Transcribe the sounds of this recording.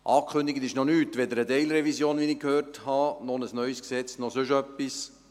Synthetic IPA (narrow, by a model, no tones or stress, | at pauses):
ʔɑːkʰχʏnd̪iɡət̪ɪʃnɔnyːtʋɛd̪əɾədɛɪlɾɛvisjoːnʋinɪkhøːrthɑnɔnəsnœʏsksɛt͡snɔsʏʃœpːis